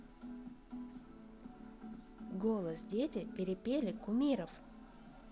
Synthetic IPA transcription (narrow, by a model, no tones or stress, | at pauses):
ɡolˠəsdʲetʲɪpʲɪɾʲɪpʲelʲɪkʊmʲiɾəf